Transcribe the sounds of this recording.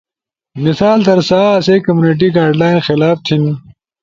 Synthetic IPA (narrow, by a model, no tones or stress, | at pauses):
mɪsaːlt̪ɐɾsaːɐseːkɐmjuːniʈ̬iɡaːɾɖlaːjnxɪlaːft̪ʰini